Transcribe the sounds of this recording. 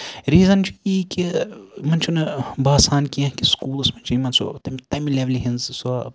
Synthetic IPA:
ɾiːzɐnt͡ʃʰuiːkimɐnt͡ʃʰunɨbaːsaːnkijɐ̃kiskuːlsmɐnt͡ʃʰuimɐnso̰t̪ɐmt̪ɐmileʋliɦinzso

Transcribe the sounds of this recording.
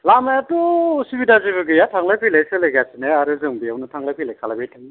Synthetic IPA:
lamajatusibidazibɯɡɯjatʰaŋlapʰilajsɯlejɡasineaɾɯzɯŋbijawnɯtʰaŋlapʰilajkʰalabejtʰɯŋ

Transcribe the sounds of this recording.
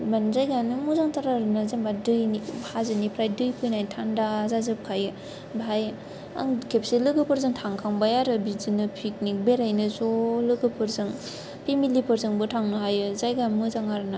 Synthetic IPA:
banzajɡanɯmɯzaŋtaɾaɾɯnɯzaŋbadɯjnibhazɯnipʰɾajdɯjpʰɯjnajtʰandaːzazɯp̚kʰajɯ | baj | a̰ŋkʰep̚silɯɡɯpʰɯɾzɯŋtʰaŋkʰaŋbajaɾɯbizinɯpʰik̚nik̚beɾajnɯzolɯɡɯpʰɯɾzɯŋ | pʰimilipʰɯɾzɯŋbɯtʰaŋnɯɦajɯzajɡamɯzaŋaɾɯna

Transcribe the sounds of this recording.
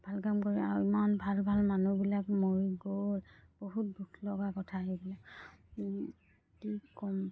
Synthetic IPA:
bʱalkamkoɹia̰ɹuimanbʱalbʱalmanubilakmoɹiɡolb̥oɦut̚bʱutʰlɔɡakɔtʰaɦibilak | kikɔm

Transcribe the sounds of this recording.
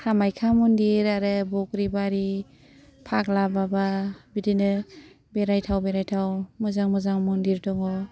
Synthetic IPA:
hamajkʰamundiɾaɾɯbɔk̚ɾibaɾi | pʰaklabababidinɯ | beɾajtʰawbeɾajtʰawmɔzaŋmɔzaŋmundiɾdɔŋɔ

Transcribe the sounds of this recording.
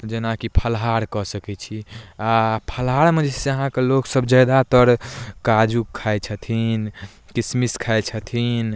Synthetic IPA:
t̪ɔd͡ʒenakipʰəlɦaɾkɔsəkɛt͡ʃʰiapʰəlɦaɾmẽd͡ʒɛseəɦãkeloksəbd͡ʒad̪at̪əɾkad͡ʒukʰːajt͡ʃʰət̪ʰin | kismiskʰaet͡ʃʰət̪ʰin

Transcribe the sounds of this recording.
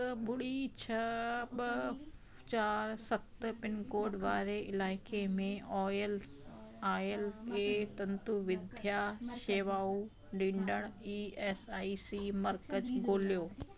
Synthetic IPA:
t̪ɐbʱʊɽit͡ɕʰɐɓ | t͡ɕaːɾsɐt̪pɪnkoːɾɖʋaːɾeɪlaːɪkemẽɔːjl | aːjəleːt̪ɐ̃nt̪uʋɪd̪ʱjaʃeːʋaːu | ɖĩːɳɖəɽ̃iːeːsaːisimɐɾkəd͡ʑɡʱoːlijoː

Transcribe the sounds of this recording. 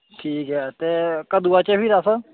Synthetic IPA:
ʈʰiːkɦɛt̪eːkəd̪uːaːt͡ʃəpiːɾaːsə

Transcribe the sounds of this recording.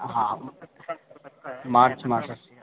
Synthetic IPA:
ɦã | maɾt͡ʃmaɾsəs

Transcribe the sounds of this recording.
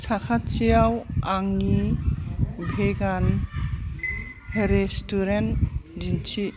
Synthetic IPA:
sakʰat͡ʃijawaŋni | bʱeɡan | ɾestuɾendint͡ʃʰi

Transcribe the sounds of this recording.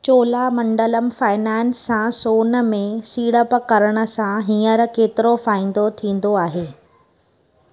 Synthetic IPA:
t͡ɕoːlamɐ̃ɳɖələmfaːɪnɛːnsːãsoːnmẽsiːɽəpkɐɾəɽ̃ə̆sãɦĩːəɾkeːt̪ɪɾofaːĩːnd̪ot̪ʰĩːn̆d̪oaːɦeː

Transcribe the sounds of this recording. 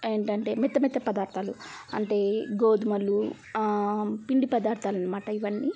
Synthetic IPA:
e̞ːɳʈɐɳʈe̞ːmit̪ːɐmit̪ːɐpɐd̪aːɾt̪ʰaːluɐɳʈe̞ːɡoːd̪umɐlːu | piɳɖipɐd̪aːɾt̪ʰaːlɐnːɐmaːʈɐiʋɐnːi

